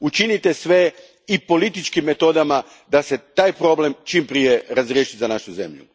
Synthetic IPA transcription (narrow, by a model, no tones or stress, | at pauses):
ut͡ʃinit̪e̞sʋe̞ | ipo̞lit̪it͡ʃkimːe̞t̪o̞d̪ama | d̪ase̞t̪aːjpɾo̞ble̞mt͡ʃimpɾije̞ɾazɾje̞ːʃizanaʃuze̞̰mʎṵ